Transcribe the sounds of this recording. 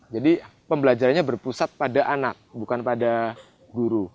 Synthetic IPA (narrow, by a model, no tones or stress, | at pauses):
d͡ʒadipəmbəlad͡ʒaɾanɲabərpusat̪̚padaʔanak̚bukanpada | ɡuɾu